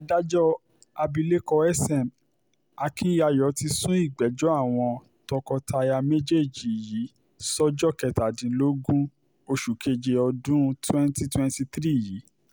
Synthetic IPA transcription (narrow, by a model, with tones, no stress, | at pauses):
a˨da˦d͡ʒɔ˦ | a˧bi˧le˦kɔ˧ɛ˦sɛ˦˨m | a˧kʰi˦a˧jɔ˨˦ti˧sũ˦i˦˨ɡ͡bɛ˨˦d͡ʒɔ˦a˦˨w̃ɔ̃˧ | tɔ˧kɔ˧ta˧ja˧me˦d͡ʒe˦˨d͡ʒi˨ji˨˦ | sɔ˦d͡ʒɔ˦kɛ˧˨ta˨dĩ˨˦lo˦ɡũ˦ | o˧ʃu˨kʰe˧d͡ʒe˧ɔ˧dũ˦twɛ̃˦nti˦twɛ̃˦nti˧tɾi˦˨jiː˨˦